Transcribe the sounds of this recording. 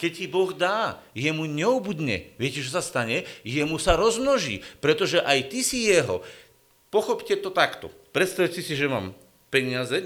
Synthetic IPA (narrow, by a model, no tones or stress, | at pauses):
kɛccibɔɣd̪aː | jɛmuɲɛubud̪ɲɛ̰ʋɪɛcɛt͡ʃɔsast̪aɲɛjɛmusaɾɔzmnɔʒḭːpɾɛt̪ɔʒɛʔajt̪isijɛɦɔ̰ | pɔxɔpcɛt̪ɔt̪akt̪ɔ̰pɾɛt̪st̪aʋsisiʒɛma̰ːm | pɛɲɪazɛ